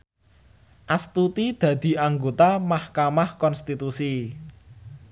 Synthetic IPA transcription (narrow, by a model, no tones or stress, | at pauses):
ʔast̪ut̪id̪̥ä̤d̪̥i̤aŋɡot̪amahkamahkɔnst̪it̪usi